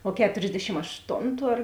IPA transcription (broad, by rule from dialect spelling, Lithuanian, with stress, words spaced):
oː ˈkʲæːtoːrʲzʲdʲɛʃʲɪm ɐʃˈtoːntʊ ɐr